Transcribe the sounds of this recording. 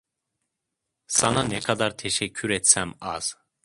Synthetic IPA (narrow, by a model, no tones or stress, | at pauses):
sananɛkʰad̪aɾt̪ʰeʃɛcʰːyɾɛt̪sæmaz̥